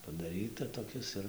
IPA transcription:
pɐdɐˈrʲiːtɐ toːˈkʲɪs ɪr

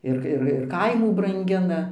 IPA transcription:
ˈɪr ɪr ɪr ˈkɐɪmuː brɐŋʲˈɡʲɪnɐ

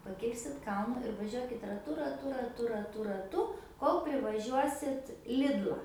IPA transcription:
pɐˈkʲɪlʲsʲɪt ˈkɐlˠnʊ ɪr ʋɐˈʒʲuɔkʲɪt rɐˈtʊ rɐˈtʊ rɐˈtʊ rɐˈtʊ rɐˈtʊ ˈkoːlˠ pʲrʲɪʋɐˈʒʲuɔsʲɪt ˈlʲɪdlˠɐ

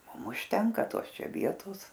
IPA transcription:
ˈmʊm ʊʃʲˈtʲɛŋkɐ ˈtoːs ˈt͡ʃʲɛ ˈʋʲiɛtoːs

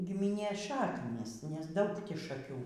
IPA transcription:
ɡʲɪmʲɪˈnʲeːs ˈʃɑːknʲiːs nʲɛs ˈdɐʊk ˈtʲiː ʃɐˈkʲuː

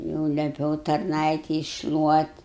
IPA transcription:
jɛʊ lʲɛˈpʲɛʊ tɐrˈnɐɪtʲɛɪ ɪʃʃlˠuɔtʲ

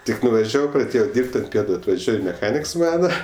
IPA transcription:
ˈtʲɪk nʊʋɐˈʒʲæːʋɐʊ prɐˈdʲeːjoː ˈdʲiːrʲpʲtʲ ɐnt ˈpʲiɛtʊ ɐtʋɐˈʒʲuɔj mʲɛˈxɑːnʲɪks ˈmɑːnɐ

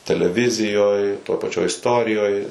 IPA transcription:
tʲɛlʲɛˈʋʲɪzʲɪjoːj toːj pɐˈt͡ʃʲoːj ɪsˈtoːrʲɪjoːj

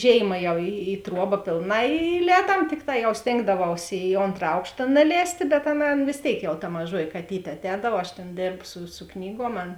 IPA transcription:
ˈʒʲeːɪmɐ jɛʊ ɪ ɪ ˈtruɔbɐ ˈpʲeːlˠˌnɑː ɪ ɪˈlʲɛːdɐm ˈtʲɪkˌtɑː jɛʊ ˈsʲtʲeːŋɡdɐʋɐʊs ɪ ˈoːntrɐ ˈɐʊkʃtɐ nɐˈlʲɛːsʲtʲeː bʲɛt ˈɑːˌnɐ ˈɑːˌnɐ ʋʲeːs ˈtʲeːɪk jɛʊ tɐ mɐˈʒuɔjɪ kɐˈtʲiːtʲeː ɐtʲˈɛːdɐw ɐʃ ˈtʲeːn ˈdʲeːrpsʊ sʊ ˈknʲiːɡuɔm ˈɐn

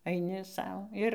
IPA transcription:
ɐɪˈnʲɪ ˈsɐʊ ˈɪr

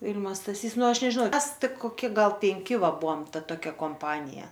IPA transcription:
ˈʋʲɪlʲmɐ stɐˈsʲiːs ˈnʊ ˈɐʃ nʲɛʒʲɪˈnɐʊ ˈmʲɛs ˈtʲɪk koːˈkʲɪ ˈɡɐlˠ pʲɛŋʲˈkʲɪ ˈʋɐ ˈbuɔm ˈtɐ toːˈkʲɛ koːmˈpɑːnʲɪjɛ

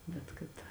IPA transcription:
ˈbʲɛt kɐt

